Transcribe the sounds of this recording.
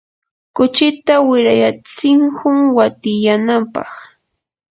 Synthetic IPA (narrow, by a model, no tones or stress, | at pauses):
kʊt͡ʃɪt̪awɪɾajat͡sɪŋhʊŋwat̪ɪjanampɑ̰χ